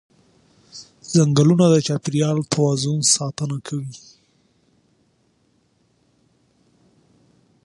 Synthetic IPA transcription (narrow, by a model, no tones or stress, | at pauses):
z̥aŋɡəlunad̪ət͡ʃɑpiɾijɑlt̪ʰawɑzunsɑt̪ənakʰawi